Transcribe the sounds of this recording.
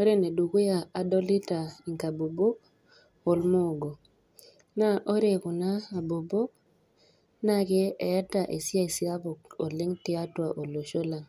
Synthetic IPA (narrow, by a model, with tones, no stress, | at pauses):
o˦ɾe˦ne˨du˨ku˦ja˨a˨dɔ˦lɪ˦ta˨i˨ŋka˨bo˨bo˦k̚ | o˨lmo˦˨ɡo˨ | na˦ʔo˦ɾe˨kʊ˨naː˦˨bo˨bo˦k̚ | na˦kɪ˦ɛ˨a˦ta˨ʔe˨sɪ˦a˦i˨si˦a˦bʊ˨ko˨lɪ˦ŋtɪ˦a˦twa˨ʔo˨lo˨ʃo˦la˨ŋ